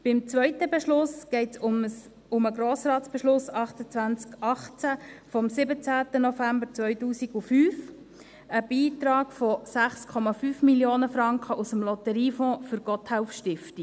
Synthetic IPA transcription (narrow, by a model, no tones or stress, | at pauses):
b̥ɪmt͡svœʏtəbɛʃlʊsɡ̥ɛɪts | ʊməɡɾoːsrɑːtsb̥ɛʃlʊsɑχtət͡sʋænt͡skɑχt͡sæfɔmsɪbət͡sæːtənɔfæmbəɾt͡svœʏtuːsiɡufyːf | əb̥iːtɾɑːɡ̥fɔsæχskʰɔmɑfyːfmiljoːnəfɾɑŋkχəʔusəmlɔtəɾiːfɔ̃ːfʏɾɡ̥ɔthɛʊfʃtɪfti